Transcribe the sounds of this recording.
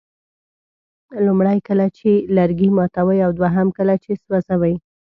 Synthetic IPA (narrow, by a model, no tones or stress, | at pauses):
lumɽajkəlat͡ʃelaɾɡimɑt̪awəjawd̪waɦamkəlat͡ʃeswazawaj